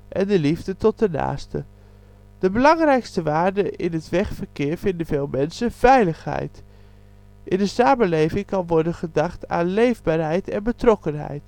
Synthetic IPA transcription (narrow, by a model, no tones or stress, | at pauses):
ʔɛndəlivdətɔt̚dəna̰ːstə̰ | d̥əbəlɑŋrɛjkstəʋaːɹdəʔɪnətʋɛχfərkɪːɹv̥ɪndənv̥eːlˠmɛnsəv̥ɛjləχhɦɛ̰jt | ʔɪndəsaːmənlejvɪŋkɑnʋɔɹdənχədɑχta̰ːnlejvbaːɹɦɛjtɛnbətrɔkənɦɛ̰jt